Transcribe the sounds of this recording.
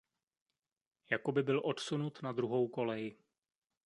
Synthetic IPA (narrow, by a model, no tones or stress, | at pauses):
jako̞bɪbɪlʔo̞t̪sunut̪nad̪ɾuɦo̞wko̞lɛjɪ